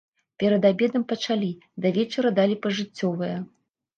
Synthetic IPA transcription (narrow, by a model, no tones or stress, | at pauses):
pʲɛɾɐd̪abʲɛd̪ɐmpɐt͡ʂalʲid̪ɐvʲɛt͡ʂɐɾɐd̪alʲipɐʐɨt͡sʲːɔvɨjɐ